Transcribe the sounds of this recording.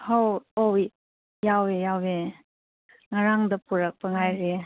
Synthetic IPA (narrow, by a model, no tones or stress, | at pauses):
howow | jawejawe | ŋaɾaŋdɐpuɾɐk̚pɐŋajɾe